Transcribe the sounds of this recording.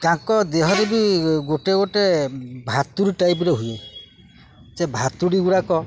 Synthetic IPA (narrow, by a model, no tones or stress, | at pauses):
kãŋkɔd̪eɦɔɾebiɡoʈeɡoʈebʱat̪uɾiʈajp̬ɾɔɦuje | t͡ʃebʱat̪uɽiɡuɽakɔ